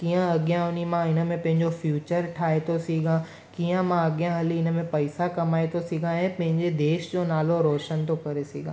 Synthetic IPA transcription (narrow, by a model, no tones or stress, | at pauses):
kijə̃ɐɠijãʊnimãɪnə̆mẽpɐ̃ɦɪ̃ɲd͡ʑofjuːt͡ɕəɾʈʰaːet̪ʰosiːɡã | kiːə̃mãɐɠijãɦɐliɪnə̆mẽpɐɪsakɐmaːet̪ʰosiːɡʱãɛ̃ːpɐ̃ɦɪ̃ɲd͡ʑed̪eːʃd͡ʑonaːloɾoːʃənt̪ʰokɐɾesiːɡʱã